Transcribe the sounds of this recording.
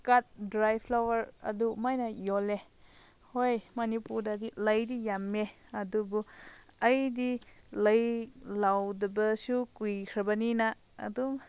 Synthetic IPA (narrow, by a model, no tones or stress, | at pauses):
kat̚dɾajpʰlawaɾɐ̰dumajnajɔle | hojmɐnipuɾdadiləjdijamːe | adubu | ɐjdiləjlawdəbəsukujkʰɾabanina̰ː | dum